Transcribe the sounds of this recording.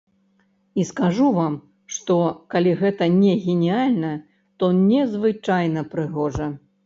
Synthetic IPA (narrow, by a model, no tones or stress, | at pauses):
iskaʐuvam | ʂt̪ɔkalʲiɣɛt̪ɐnʲɛɣʲɛnʲialʲnɐ | t̪ɔnʲɛzvɨt͡ʂajnɐpɾɨɣɔʐɐ